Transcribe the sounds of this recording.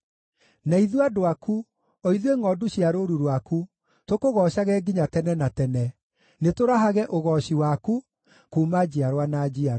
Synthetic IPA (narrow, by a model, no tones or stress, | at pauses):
naiðwadoaku | ɔiðweŋɔduɕiaɾoɾuɾwaku | tokoɣɔːɕaɣɛɡiɲatɛnɛnatɛnɛ | netoɾaɦaɣɛʔoɣɔɕiwaku | kumad͡ʑiaɾwanad͡ʑia